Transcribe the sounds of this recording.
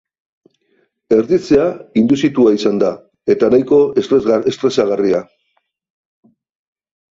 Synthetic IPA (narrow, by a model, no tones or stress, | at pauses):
e̞ɾðit͡seaind̪usit̪uaisand̪a | e̞t̪anajko̞est̪ɾe̞saɣaria